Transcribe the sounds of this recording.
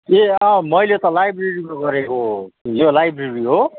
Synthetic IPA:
eʌ̃mʌjlet̪ʌlajbreɾikoɡʌɾekojolajbreriɦo

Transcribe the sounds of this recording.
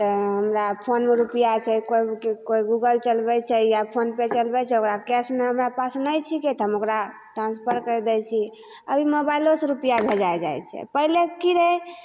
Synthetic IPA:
t̪əɦəmɾapʰonmeɾupijat͡ʃʰɛkoikekoiɡuɡəlt͡ʃəlbɛt͡ʃʰɛjapʰonpet͡ʃəlbɛt͡ʃʰɛokɾakɛsmeɦəmɾapasnəjt͡ʃʰiket̪ɦəmokɾa | ʈɾãnspʰəɾkəɾɛd̪ɛt͡ʃʰi | əbʱimobailosɾupijabʱed͡ʒajd͡ʒajt͡ʃʰɛ̰pəɦilekiɾe

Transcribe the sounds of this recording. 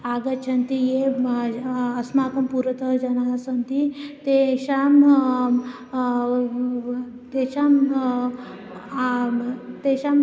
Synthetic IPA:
aːɡɐt͡ʃʰɐnt̪ije | ɐsmaːkɐmpuɾɐt̪əd͡ʒɐnasɐnt̪it̪eʃam | t̪eʃam | t̪eɕam

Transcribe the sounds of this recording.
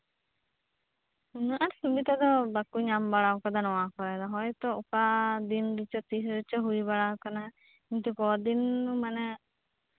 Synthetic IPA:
unuʔaɾsubit̪ad̪ɔbakuɲambaɽawkad̪anɔwakɔɾɛd̪ɔɦɔjt̪ɔukad̪inɾit͡ʃɔt̪iɦɾit͡ʃɔɦuibaɽawkana | int̪ukɔd̪inːumanɛ

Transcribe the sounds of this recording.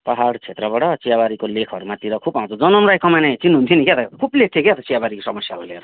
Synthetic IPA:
paɦaɽt͡sʰet̪rʌbaʈʌt͡sijabaɾikolekʰʌɾumat̪iɾʌkʰubaw̃t͡sʰʌd͡zʌnʌmɾajkʌmanajt͡sinːuɦunt̪ʰinikjet̪ʌkʰublek̚t̪ʰeket̪ʌt͡sijabaɾikosʌmʌsjaɾuleɾo

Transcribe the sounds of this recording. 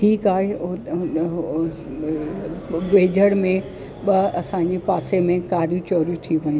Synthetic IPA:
ʈʰiːkaːɦe | ʋeːd͡ʑʱəɽ̃mẽ | ɓɐɐsãɲ̆d͡ʑepaːsemẽkaːɾjũt͡ɕɔːɾit̪ʰiʋɐɲ

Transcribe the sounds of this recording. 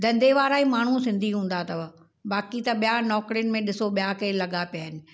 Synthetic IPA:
d̪ɐ̃nd̪ʱeʋaːɾaːimaːɳ̤usɪ̃nd̪ʱiɦũːn̆d̪at̪ɐʋ | ɓaːkit̪ɐɓijanɔːkɾijənɪ̆mẽɗɪsoɓijakeːlɐɠapijaːɦɪnɪ̆

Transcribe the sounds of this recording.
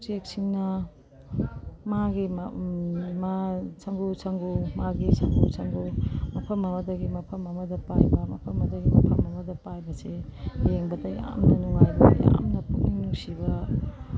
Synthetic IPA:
tek̚siŋnɐ | maɡim | masɐŋɡusʰɐŋɡumaɡisɐŋɡusʰɐŋɡumɐpʰɐmːɐmɐdɐɡimɐpʰɐmɐmɐdɐpajbɐmɐ̰pʰɐmɐdɐɡimɐ̰pʰɐmɐmɐdɐpajbɐsejeŋbɐtɐja̰mnɐnuŋajbɐ̰ja̰mnɐpuŋiŋnusibɐ

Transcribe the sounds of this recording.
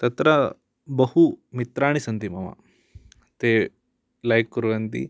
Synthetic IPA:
t̪ɐt̪ɾɐ | bɐhumit̪ɾaːɽ̃isɐnt̪imɐma̰ | t̪eː | lajkːuɾʋɐnt̪ḭ

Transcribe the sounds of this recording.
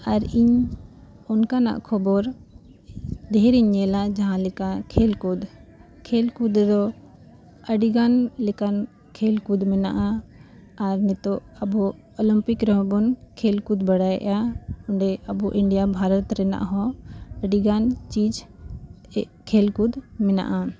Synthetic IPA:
aɾiɲ | ɔnkana̰ʔkʰɔbɔɾ | d̪ɛɾiɲɛlad͡ʒaɦãlɛkakʰelkud̪ | kʰelkud̪dɔ | əɖiɡanlɛkan | kʰelkud̪mɛna̰ʔaː | ɾnɛt̪ɔɐbɔ | ɔlimpikɾɦɔ̃bɔnkʰelkud̪baɽajʔjaʊɳɖɛɐbɔʔiɳɖijabʱaɾɔt̪ɾɛna̰ʔɦɔ̃əɖiɡant͡ʃid͡ʒ | kʰelkud̪mɛna̰ʔa

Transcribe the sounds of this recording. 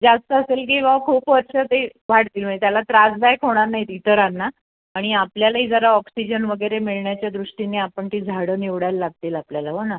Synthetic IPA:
d͡zast̪əːselk̬ĩw̃ʋakʰuːpʋəɾɕət̪eʋʱaɽt̪iːlmə̃et̪jalat̪ɾad͡zd̪ajkʰoɽ̃aɾnaɦit̪it̪əɾanːa | aɽ̃iapljalaɦiːd͡zəɾaɔksid͡ʑənʋəɡəjɾemiɭɳjat͡ɕjad̪ɾuʂʈineapəɳt̪iːd͡zʱaɽəːniʋɽajlːaɡ̚t̪iːlapljalaɦona

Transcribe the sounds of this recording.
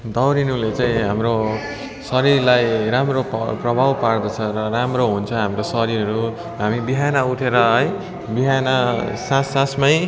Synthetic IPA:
d̪ʌwɾinulet͡saĩɦamro | sʌɾirlajɾamropprʌbʱawpard̪ʌt͡sʰʌɾʌɾamroɦunt͡sʰʌɦamrosʌɾiɾʌɾu | ɦamibiɦanʌuʈʰeɾʌɦʌj | biɦanʌsãsãsmʌj

